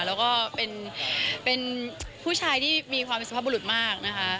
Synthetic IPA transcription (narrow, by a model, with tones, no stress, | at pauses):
lɛː˦˥wkɔː˥˩pe˧npe˧npʰuː˥˩t͡ɕʰaː˧jt̪ʰiː˥˩miː˧kʰwaː˧mpe˧nsʰaː˥˩bu˧lu˨˩t̪̚maː˥˩k̚na˦˥kʰa˦˥ʔ